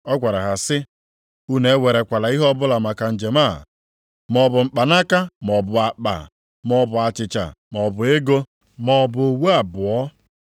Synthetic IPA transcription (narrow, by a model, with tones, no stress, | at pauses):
ɔ˦ɡʷa˨ɾa˨ɦa˨sɪ˦ | u˦ne˨˦we˨ɾe˨kʷa˨la˨i˦ɦɔ˦bʊ˦la˨ma˨ka˨n̩˨d͡ʒe˨ma˦˨ | mɔ˨bʊ˨ŋ͡m̩˨k͡pa˨na˦ka˦mɔ˨bʊ˨a˨k͡pa̰˨ | m˦ɔ˨bʊ˨a˨t͡ʃɪ˨t͡ʃa̰˨mɔ˨bʊ˨e˦ɡo˦ | mɔ˨bʊ˨o˨wu˦a˨bʊ˨ɔ˦